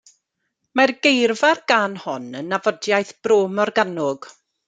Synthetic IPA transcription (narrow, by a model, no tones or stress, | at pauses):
marɡejrvarɡanhɔnənːavɔdjajθb̥roːmɔrɡanʊɡ̥